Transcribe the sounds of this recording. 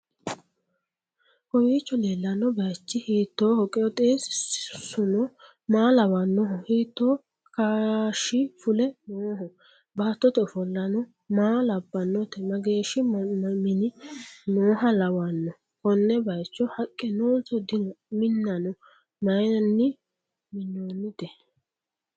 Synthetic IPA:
kɔwiːt͡ʃːɔleːlːɐnɔbɐjt͡ʃːɪhiːt̪ːoːhɔkʼɛɔt̪ʼeːsʊnɔ | maːlɐwanːɔɦɔhiːt̪ːoː | kaʃɪfʊlɛnoːɦɔ | baːt̪ːɔt̪ɛʊfɔlːɐnɔ | maːlɐbːɐnːɔt̪ɛmɐɡeːʃɪmɪnɪnoːɦɐlɐwanːɔ | kɔnːɛbɐjt͡ʃːɔhɐkʼːɛnoːsɔd̪ɪmɪnːɐnɔ | mɐjɐnːɪ | mɪnːoːnːɪt̪ɛ

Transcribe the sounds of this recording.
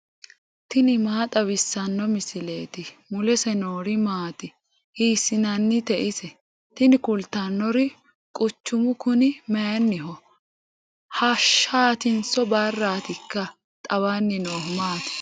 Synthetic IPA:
t̪ɪnɪmaːt̪ʼɐwɪsːɐnːɔmɪsɪleːt̪ɪmʊlɛsɛnoːɾɪmaːt̪ɪ | hiːsɪnɐnːɪt̪ɛʔɪsɛ | t̪ɪnɪkʊlt̪ːɐnːɔɾɪ | kʼʊt͡ʃːʊmʊkʊnɪmɛjɐnːɪɦɔ | hɐʃaːt̪ɪnsɔbɐrːaːt̪ɪkːɐ | t̪ʼɐwanːɪnoːmaːt̪ɪ̥

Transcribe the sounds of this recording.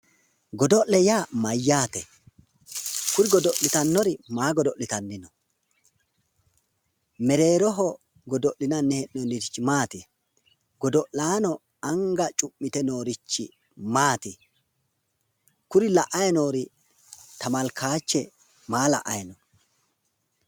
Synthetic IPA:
ɡɔd̪ɔʔlɛjaːmɐjːaːt̪ɛ | kʊɾɪɡɔd̪ɔʔlɪt̪ɐnːɔɾɪmaːɡɔd̪ɔʔlɪt̪ɐnːɪnɔ | mɛɾe̞ːɾɔɦɔ | ɡɔd̪ɔʔlːɪnɐnːɛhɛʔnɔnɪɾt͡ʃːɪmaːt̪ɪ | ɡɔd̪ɔʔlaːnɔ | ɐŋɡɐt͡ʃʼʊmːɪt̪ɛno̞ːɾɪt͡ʃːɪ̰ | maːt̪ɪ | kʊɾɪlɐʔɐjɐnoːɾɪ | t̪ɐmɐlkʰaːt͡ʃːɛ | maːlɐ̰ʔɐjɐnɔ

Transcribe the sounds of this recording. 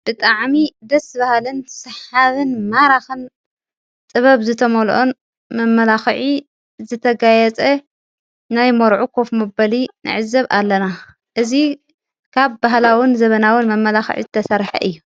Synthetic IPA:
b̥ɨt̪ʼaʕmid̪ɐsbahalɨnsɨħaβɨnmaɾaxɨn | t̪ʼɨβɐβzɨt̪ʰɐmolʔon | mɐmːɐlaxʕi | zɨt̪ʰɐɡajɛt͡sʼɐ | najmoɾʕukʰofmɐbɐlinɨ̰ʕɨzːɐβa̰lːɐna | ʔɨzi | kʰaβbaɦlawɨnzɐβɐnawɨnmɐmːɐlaxʕḭzɨt̪ʰɐsɐɾħɐ̰ʔɨjːu

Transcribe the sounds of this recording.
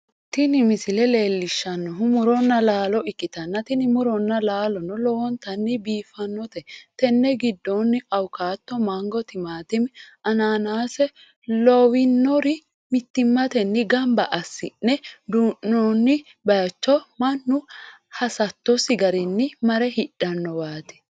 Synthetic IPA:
t̪ɪnɪmɪsɪlɛle̞ːlːɪʃːɐnːɔɦʊmʊɾɔnːɐlaːlɔɪkʼːɪt̪ɐnːɐt̪ɪnɪmʊɾɔnːɐlaːlɔnːɔlɔwɔnt̪ɐnːɪbiːfɐnːɔt̪ɛt̪ɛnːɛɡɪd̪ːɔnːɪɐwkaːt̪ːɔmɐŋɡɔt̪ɪmaːt̪ɪmʔɐnaːnaːsɛ | lɔwɪnːɔɾɪ | mɪt̪ːɪmːɐt̪ɛnːɪɡɐmbɐʔɐsːɪnːɛd̪uʔɔnːɪ | bɐjɐt͡ʃːɔmɐnːʊ | hɐsɐt̪ːɔsɪɡɐɾɛnːɪmɐɾɛhɪɗ̥ːɐnːɔwaːt̪ɛ̥

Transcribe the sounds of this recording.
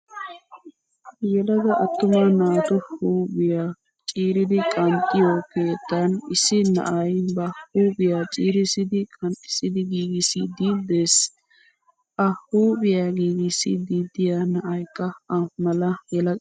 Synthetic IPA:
jɛlɐɡ̪ɐʔɐt̪ːʊmɐnaːt̪ʊhuːbɪja | t͡ʃʼiːɾɪd̪ɪkʼɐnt̪ʼːɪjoːke̞ːt̪ːɐnɪsɪnɐ̰ʔɐjbɐhuːbɪjat͡ʃʼiːɾɪsɪd̪ɪkʼɐnʼɪ̥sɪd̪ɪɡiːɡɪsɪd̪iːd̪eːs | ʔɐhuːbɪjaɡiːɡɪsɪ̰d̪iːd̪ɪjanɐʔɐjkːɐɐmɐlɐjɛlɐ

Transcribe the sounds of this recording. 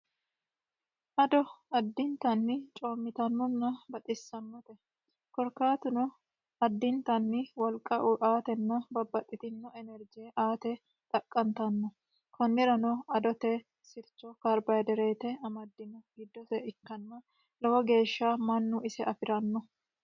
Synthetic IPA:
ʔɐd̪ɔɐd̪ːɪnt̪ɐnːɪt͡ʃʼo̞ːmːɪt̪ɐnːɔnːɐbɐt̪ʼɪsːɐnːɔt̪ɛ | kɔɾkaːt̪ʊnɔ | ɐd̪ːɪnt̪ɐnːɪwɐlkʼːɐʔʊʔaːt̪ɛnːɐbɐbːɐt̪ʼːɪt̪ɪnːɔɛnɛɾd͡ʒeʔaːt̪ɛ | t̪ʼɐkʼːɐnt̪ɐnːɔ | kʰɔnːɪɾɐnɔɐd̪ɔt̪ɛ | sɪlt͡ʃːɔkaɾbɐjd̪ɛɾeːt̪ɛɐmɐd̪ːɪnɔɡɪd̪ːɔsɛɪkːɐnːɐ | lɐwɐɡe̞ːʃːamɐnːʊʔɪsɛʔɐfɪɾɐnːɔ

